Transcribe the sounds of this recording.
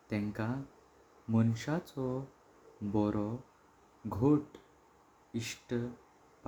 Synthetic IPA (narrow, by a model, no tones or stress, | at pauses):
t̪ɛ̃ŋka | mənɕat͡sɔ | bɔɾɔ | ɡʱoʈ | iʂʈə | pa